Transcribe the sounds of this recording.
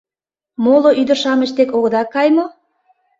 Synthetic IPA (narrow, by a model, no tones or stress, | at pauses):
moloʔyd̪ə̆rʃɑmə̆ʃt̪ekoɣə̆d̪ɑkːɑjmo